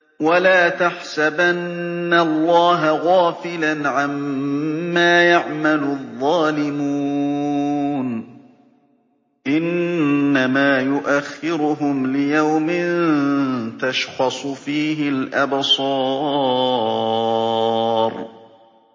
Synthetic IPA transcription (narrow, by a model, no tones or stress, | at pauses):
walaːt̪aħsabanːalˤːɑːɦaɣaːfɪlanʕamː | aːjaʕmalʊðˤːɑːlɪmuː | n | ʔɪnːamaːjʊʔaxːɪɾʊɦʊmlɪjawmɪnn | t̪aʃxɑsˤʊfiːɦɪlʔabsˤɑː | ɾˤ